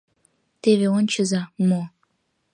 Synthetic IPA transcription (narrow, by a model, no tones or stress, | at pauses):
t̪eβʲeont͡ɕɤ̆zɑmo